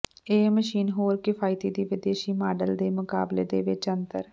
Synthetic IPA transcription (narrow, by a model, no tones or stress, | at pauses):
eːməʃiːnɦoːɾkɪfʰaːɪit̪iːd̪iːʋɪd̪eːʃiːmaːɖəld̪eːmʊka̰ːblḛːd̪ḛːʋɪt͡ʃənt̪ə̰ɾ